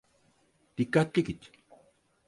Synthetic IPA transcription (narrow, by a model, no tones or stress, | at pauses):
t̪ikat̪ikit͡ʃ